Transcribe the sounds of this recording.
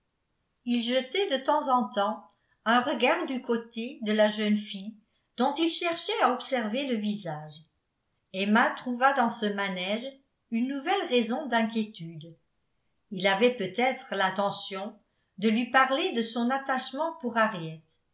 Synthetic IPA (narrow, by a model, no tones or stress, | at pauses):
ilʒət̪ɛd̪ət̪ɑ̃zɑ̃t̪ɑ̃ | œ̃ʁəɡaʁd̪ykot̪ed̪əlaʒœnfij | d̪̥ɔ̃t̪ilʃɛʁʃɛaɔpsɛʁveləvizaːʒ | ɛmat̪χuvad̪ɑ̃səmanɛʒ | ynːuvɛlʁezɔ̃d̪ɛ̃k̬ʲjet̪yːd̪ | ilavɛpøt̪ɛt̪χəlɛ̃t̪ɑ̃sjɔ̃ | d̪əlɥipaʁled̪əsɔ̃nat̪aʃmɑ̃puʁaʁjɛt̪